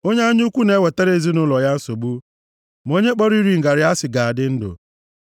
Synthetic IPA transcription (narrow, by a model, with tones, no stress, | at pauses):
o˦ɲe˦a˦ɲu˦kʷu˦ne˨˦we˨te˦ɾe˨˦e˨zi˦nʊ˦lɔ˨ja˦n̩˦so˨ɡ͡bu˦ | m˨o˦ɲe˦k͡pɔ˦ɾi˦ɾi˨ŋ̩˨ɡa˨ɾɪ˨˦a˦sɪ˨ɡa˨a˨dɪ˦n̩˦dʊ̰˨